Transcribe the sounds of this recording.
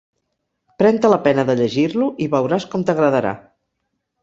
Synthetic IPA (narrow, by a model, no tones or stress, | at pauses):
pɾɛnt̪ələpɛnəðəʎəʒiɾluʔiβəwɾaskɔmt̪əɣɾəðəɾa̰